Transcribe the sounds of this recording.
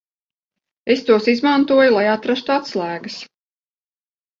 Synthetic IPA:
est̪uɔsizmant̪uɔjulˠajat̪ɾast̪uat̪slˠæːɡəs

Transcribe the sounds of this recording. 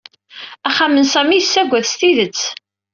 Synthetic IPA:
æχamənsæmiəsːæɡʷæðst̪iðət͡sː

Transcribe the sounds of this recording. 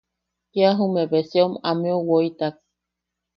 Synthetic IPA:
kiaɦumebesiomameowoit̪ak̚

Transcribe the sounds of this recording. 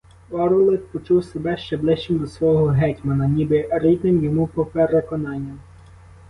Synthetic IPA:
ɔɾɔlˠɪt̪̚pɔt͡ʃuwsebɛʃt͡ʃɛblˠɪʃt͡ʃɪmd̪ɔsʋɔɦɔɦɛtʲmɐnɐnʲibɪɾʲid̪nɪmjɔmupɔpeɾekɔnɑnʲːɐ

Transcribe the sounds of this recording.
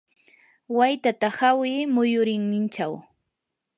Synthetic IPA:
wajt̪at̪ahawɪmʊjʊɾɪŋnɪnt͡ʃaw

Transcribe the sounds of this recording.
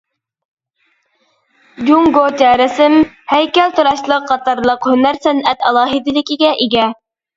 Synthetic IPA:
d͡ʒʲuŋɡot̪ɛːɾɪsɪm | hæjkʲɛlt̪ʰuɾɑʃlˠəqʰːɑt̪ɑɾlˠəqhynæɾsɛnɛt̪ɑlˠɑːɦid̪ɪlɪkʲiɡʲɛʔiɡʲɛ

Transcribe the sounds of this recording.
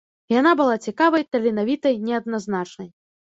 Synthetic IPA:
janabɨlˠat͡sʲikavɐjt̪ɐlʲɛnavʲit̪ɐjnʲɛɐd̪̚naznat͡ʂnɐj

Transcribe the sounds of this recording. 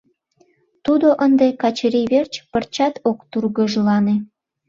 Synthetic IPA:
t̪ud̪oʔənd̪ekɑt͡ɕɾiβert͡ɕpərt͡ɕɑt̪okt̪urɣəʒlɑne

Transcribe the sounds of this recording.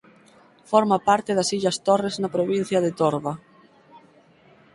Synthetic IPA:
fɔɾmapaɾt̪eðɐsiʎɐst̪oreznapɾoβĩn̟θjɐðet̪oɾβɐ

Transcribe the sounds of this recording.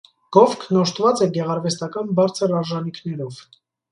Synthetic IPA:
ɡ̥ɔfkʰnɔʃt̪vɑt͡sɛɡɛʁɑɾvɛst̪ɑkɑnbɑɾt͡sʰəɾɑɾʒɑnikʰnɛɾɔv

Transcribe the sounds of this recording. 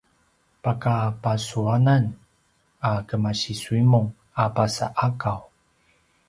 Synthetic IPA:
pakapasuanan | akəmaɕisuimuŋ | apasa̰ʔakaw

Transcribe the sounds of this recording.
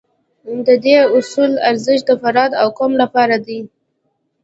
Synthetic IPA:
d̪əd̪eʊsulaɾzɪʃd̪əfaɾɑd̪awkomlapɑɾad̪i

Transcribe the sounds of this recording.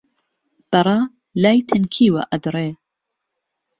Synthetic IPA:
b̥ɐɾˤɑ | laːjt̪ʰɐnkʰiːwɐ̰ʔɐd̪ɾeː

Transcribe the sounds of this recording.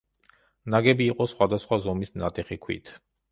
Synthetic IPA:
naɡɛbiːqʼɔsχwad̪asχwazɔmisnat̪ʼɛχikʰwḭt̪ʰ

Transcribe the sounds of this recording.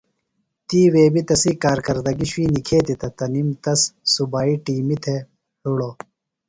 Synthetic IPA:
t̪iːweːbit̪ɐsikaːɾkɐɾd̪ɐɡiɕwiːnikʰeːt̪it̪ɐt̪ɐnimt̪ɐssubaːiʈiːmit̪ʰe | huɽoː

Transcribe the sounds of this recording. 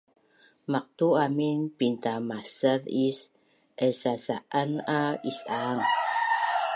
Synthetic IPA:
maq̚tuaminpintamasəðis | ʔəsasaʔanaisaŋ

